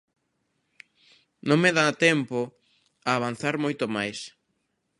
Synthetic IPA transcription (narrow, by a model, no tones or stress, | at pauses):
nõŋmeðat̪ɛmpo | aːβan̟θaɾmojt̪omajs